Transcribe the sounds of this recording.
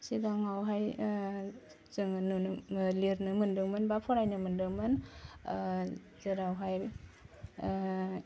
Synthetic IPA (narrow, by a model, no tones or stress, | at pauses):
siɡaŋawɦaj | zɯŋnunliɾnɯmɯndɯŋmɯnbapʰɔɾajnɯmɯndɯŋmɯn | zɯɾawɦaj